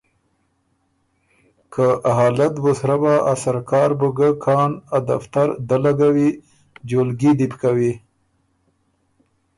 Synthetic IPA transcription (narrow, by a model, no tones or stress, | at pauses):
kʰəʔaɦɑːlat̪bəsɾabaʔasaɾkɑɾbəɡəkʰɑnad̪a̰ft̪aɾd̪alaɡawi | d͡ʒolɡid̪ipkawi